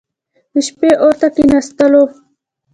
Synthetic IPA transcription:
iʃpeʔoɾt̪akinast̪əlo

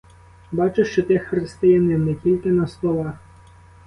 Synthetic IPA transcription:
bɑt͡ʃɪʃt͡ʃɔt̪ɪxɾɪst̪ɪjɐnɪwnɛtʲilʲkɪnɐslˠɔʋɑx

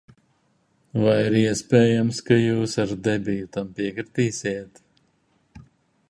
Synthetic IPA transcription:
vajiɾiɛspʲɛːjamskajuːsaɾd̪ɛbʲijut̪ampiɛkɾɨt̪iːsʲiːt̪

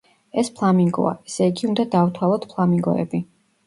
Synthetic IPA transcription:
ɛspʰlˠamiŋɡɔ̰aɛsɛiɡiund̪ad̪avt̪ʰwalˠɔt̪pʰlˠamiŋɡɔ̰ɛ̰bi

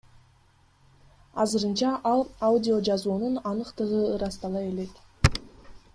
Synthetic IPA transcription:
ɑzɯɾɯnt͡ʃɑʔɑlˠaudʲɪo̞d͡ʒɑzuːnunɑnɯqt̪ɯʁɯɯɾɑst̪ɑlˠɑje̞le̞t̪

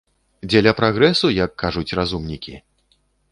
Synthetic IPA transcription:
d͡zʲɛlʲapɾaɣɾɛsujɐkːaʐut͡sʲrazumnʲikʲi

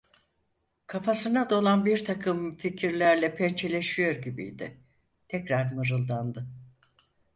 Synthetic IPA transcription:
kʰafasɯnad̪olˠanbiɾt̪ʰakʰɯmficʰiɾlʲæɾlʲɛpʰɛnt͡ʃʰelʲe̞ʃijo̞ɾɟibḭjd̪ɪ̰ | t̪ʰɛcɾaɾmɯɾɯlˠd̪and̪ɯ

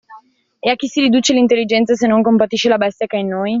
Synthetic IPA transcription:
eak̟ːisiɾid̪uːt͡ʃelint̪elːid͡ʒɛnt̪sas̬enːoŋkompat̪iʃːelabɛst̪jakainːoːj

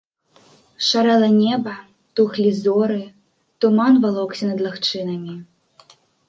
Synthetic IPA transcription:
ʂaɾɛlˠɐnʲɛbɐ | t̪uxlʲizɔɾɨ | t̪umanvalˠɔksʲɐnɐd̪lˠaxt͡ʂɨnɐmʲi

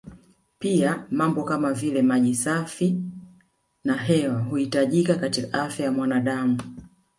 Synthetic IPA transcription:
piamambɔkamavilɛmaʄisafi | naɦɛwahuhitaʄikakatikaafjajamwanaɗamu

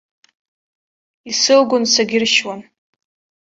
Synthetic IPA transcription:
isɨlɡʷʊnsaɡʲɪrʃwan

